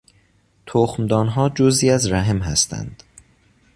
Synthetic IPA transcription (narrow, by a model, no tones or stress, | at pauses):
t̪ʰoxmd̪ɒːnɦɒːd͡ʒoziːæzɾæɦemɦæst̪ʰæ̰nd̪̥